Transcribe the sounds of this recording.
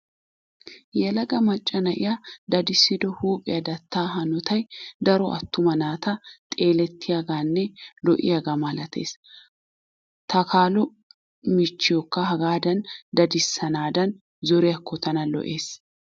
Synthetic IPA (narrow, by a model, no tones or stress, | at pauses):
jɛlɐɡɐmɐt͡ʃʼːɐnɐʔɪ̰jɐd̪ɐd̪ɪsːɪd̪ɔhuːpʼɪjɐd̪ɐt̪ːaːɦɐnɔt̪ɐjd̪ɐɾɔʔɐ̰t̪ːʊmɐnaːt̪ɐt̪ʼe̞ːlɛt̪ʰːɪjaɡaːnːɛlɔʔɪ̰jaɡamɐlɐt̪ʰe̞̰ːs | t̪ɐkʰaːlɔ | mɪt͡ʃːɪjɔkːɐɦɐɡaːd̪ɐnd̪ɐd̪ɪsːɐnaːd̪ɐn | zɔɾɛjɐkːɔt̪ɐnɐlɔ̰ʔeːs